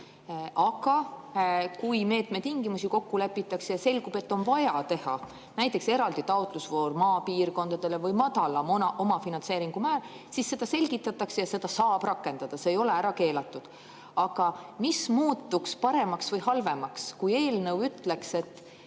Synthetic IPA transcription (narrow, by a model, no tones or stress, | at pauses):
ʔɑɡ̥ɑ | kujme̞ːt̪me̞t̪ːiŋɡimusiko̞kːule̞pːˑit̪ːˑɑksejɑse̞lɡ̥ub̥e̞t̪ːo̞nvɑjɑt̪e̞hɑ | næjt̪ːˑe̞kse̞ɾɑld̪̥it̪ɑot̪ˑlusvo̞ːɾmɑːpiːrko̞nd̪̥ɑd̪̥e̞le̞vɯjmɑd̪̥ɑlɑmonɑʔomɑfinɑnse̞ːɾiŋɡ̥umæː | sisːe̞d̪̥ɑse̞lʲɡ̥it̪ːˑɑt̪ːˑɑksejɑse̞d̪ɑsɑːb̥rɑkːe̞nd̪̥ɑd̪̥ɑseːjo̞le̞æɾɑke̞ːlɑt̪ːˑud̪̥ | ɑɡ̥ɑmismuːt̪ːukspɑɾe̞mɑksvɤjhɑlve̞mɑkskuje̞ːlnɤwyt̪ːle̞kse̞t̪ː